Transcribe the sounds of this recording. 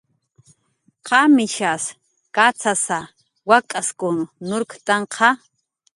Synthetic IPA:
qɑmɪʃas | kat͡sʰasa | wakʼaskʊnnʊɾkt̪ɑɴqʰɑ

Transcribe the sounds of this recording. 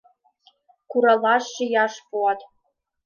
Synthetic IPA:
kuɾɑlˠɑʃːĭjɑʂpuɑt̪

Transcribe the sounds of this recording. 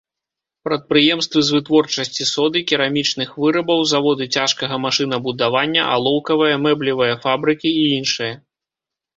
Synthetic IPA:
pɾɐt̪̚pɾɨjɛmst̪vɨzvɨt̪vɔrt͡ʂɐsʲt͡sʲisɔd̪ɨkʲiɾamʲit͡ʂnɨxvɨɾɐbɐwzavɔd̪ɨt͡sʲaʂkɐɣɐmaʂɨnɐbud̪avanʲːɐ̰ʔa̰lˠɔwkɐvɨjɐmɛblʲivɨjɐfabɾɨkʲiːinʂɨjɐ

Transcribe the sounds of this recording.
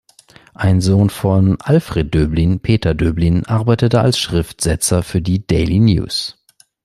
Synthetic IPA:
ʔaɪnzoːnfɔnʔalfʁ̥eːt̚d̥øːblinpʰeːtɐdøːblinʔaɐbaɪtətəa̰lsʃʁ̥ɪftz̥ɛt͡sɐfyːɐdiːdɛɪlinjṵːs

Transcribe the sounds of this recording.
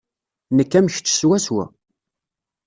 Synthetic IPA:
nəkːæmçt͡sːə̥swæswæ̰

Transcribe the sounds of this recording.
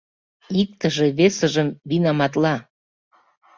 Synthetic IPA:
ik̚t̪əʒeβesəʒəmβinɑmɑt̪lɑ

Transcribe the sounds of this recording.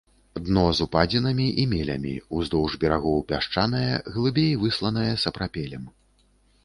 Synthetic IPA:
d̪nɔzupad͡zʲinɐmʲiʔimʲɛlʲɐ̰mʲḭuzd̪ɔwʐbʲɛɾaɣɔwpʲaʂt͡ʂanɐjɐɣlˠɨbʲejvɨslˠɐn̪ɐjɐsɐpɾapʲɛlʲɛm

